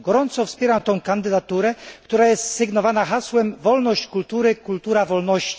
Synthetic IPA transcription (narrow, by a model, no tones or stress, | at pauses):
ɡɔɾɔnt̪sɔfspʲjɛɾamt̪ɔ̃w̃kand̪ɘd̪at̪uɾɛkt̪uɾajɛst̪sɘɡnɔvanaxaswɛmvɔlnɔɕt͡ɕkult̪uɾɘkult̪uɾavɔlnɔɕt͡ɕi̥